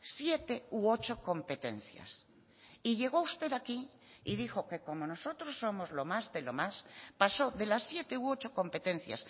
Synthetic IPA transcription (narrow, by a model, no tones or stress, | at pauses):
sje̞t̪e̞uo̞t͡ʃoko̞mpe̞t̪e̞n̟θja̰s | iʎe̞ɣ̞o̞ust̪e̞ðaki | iðixo̞ke̞ko̞mo̞no̞so̞t̪ɾosːo̞mozlo̞mazðelo̞maspaso̞ðe̞lasːje̞t̪e̞uo̞t͡ʃo̞ko̞mpe̞t̪e̞n̟θja̰s